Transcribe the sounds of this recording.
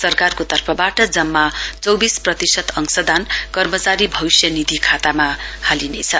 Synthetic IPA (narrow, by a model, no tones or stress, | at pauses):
sʌrkarkot̪ʌrpʰʌbaʈʌd͡zʌmːat͡sʌwbisprʌt̪isʌt̪ʌŋsʌd̪ʱankʌrmʌt͡saɾibʱʌwsjʌnid̪ʱikʰat̪amahalinet͡sʰʌ